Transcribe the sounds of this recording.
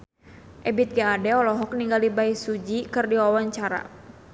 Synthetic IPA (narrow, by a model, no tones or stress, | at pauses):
ʔɛbit̪̚ɡaadɛɔlɔɦɔk̚niŋɡalibaisud͡ʒikɨrdiwawaɲt͡ʃaɾa̰